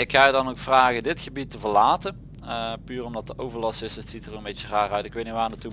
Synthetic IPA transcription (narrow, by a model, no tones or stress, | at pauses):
ɪkxaːdɑnowkfraːɣədɪtxəbitəvəɹlaːtən | pyːrɔmdɑt̚dəʔowvəɹlɑsɪssitərənmbejcəraːrœɥtɪkʋejtniʋaːnatu